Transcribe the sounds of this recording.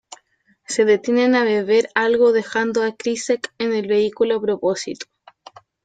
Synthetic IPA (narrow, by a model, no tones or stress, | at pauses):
se̞ðet̪jenenaβeβe̞ɾalɣoðexand̪oakɾisekenelβe̞ikuloapɾoposit̪o̥